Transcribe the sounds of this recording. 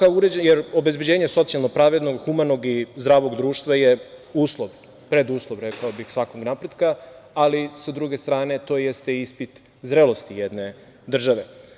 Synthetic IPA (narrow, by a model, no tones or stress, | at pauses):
kaouɾed͡ʑejeɾo̞bezbe̞d͡ʑe̞ːɲeso̞t̪sialˠno̞pɾaːʋe̞d̪no̞ɡxumano̞ɡizd̪ɾaːʋo̞ɡd̪ɾuːʃt̪ʋajeuːslˠoʋ | pɾe̞d̪uːslˠoʋɾekaobixsʋakoɡnapɾe̞d̪kaalisad̪ɾuɡest̪ɾaːne̞t̪o̞jest̪eispit̪ | zɾelˠo̞st̪ijed̪ne | d̪r̩ʒaʋe̞